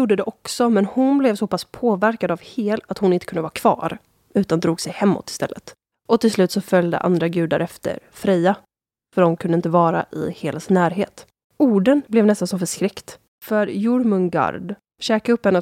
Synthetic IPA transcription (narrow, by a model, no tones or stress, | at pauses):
uːɖːəd̪ɛʔɔksɔmɛnhʊnblɛvsɔpʰaspʰoːvæɾkad̪avheːlat̪hʊnɪnt̪ə̥kʰɵnd̪əvɑːɾakʰvɑ̰ːɾ | ʉ̟ːt̪and̪ɾuːɡsɛjhɛmːɔ̰t̪ːɪ̥st̪ɛ̰lːə̰t̪ | ʔɔt̪ʰɪlslʉ̟ːt̪sɔfœlʲd̪ə̰ʔa̰nd̪ɾaɡʉ̟ːd̪a̰ɾʔɛft̪ə̰ɾfɾɛja | fœɾɔmkʰɵnd̪əɪnt̪əvɑːɾa̰ʔɪ̰heːlasɪnæːɾɦeːt̪ | uːɖənblɛvnɛst̪ansɔmfœʂkɾɪkt̪ | fœɾjʊɾmɵnɡa̰ɾɖ | ɕɛːkaɵpːhɛnːə